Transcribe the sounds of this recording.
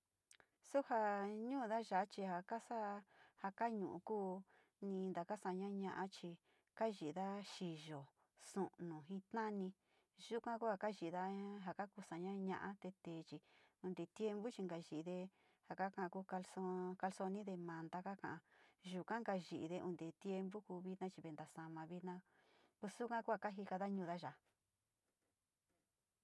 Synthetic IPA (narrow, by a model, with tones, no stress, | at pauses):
su˦ha˧ɲũː˦˧ða˦ʒa˨˦t͡ʃi˧ha˨ka˦sa˦ha˧ka˦ɲũ˨ṵ̃˧kuː˦ | nĩ˧nd̪a˨ka˦sa˧˨˧ɲã˦ɲã˧ʔã˦t͡ʃi˧ | ka˦ʒi˨˧ða˦ʃi˨ʒo˨ | sũ˨ʔnũ˨ɦĩ˧t̪nã˦nĩ˧ | ʒu˦kʷã˦ku˦ha˧ka˦ʒi˨˧ða˦ɦa˧ka˦ku˧sa˨ɲã˦ɲã̰˧ʔa˦t̪e˧t̪eː˨t͡ʃi˧ũ˧nd̪e˨t̪je˦mbu˦t͡ʃi˧ŋɡa˧ʒi˧ʔi˧ðe˧ | ha˨ka˦kã˧ʔã˧ku˧ka˧lso˧ka˧lso˧nĩ˦ðe˧mã˧nd̪a˦ka˦kã˨ʔa˧ʒu˧kã˦ŋɡa˧ʒi˨ʔi˧ðe˧ṵ˧nd̪e˨t̪je˦˧mbu˦kuː˧βi˦t̪nã˦t͡ʃi˧βe˧nd̪a˨sa˧mã˧βi˦˧nã˦˧ | ku˧su˦kã˦ku˦a˧˨ka˦ɦi˧ka˧ða˦ɲũ˧ða˦ʒa˨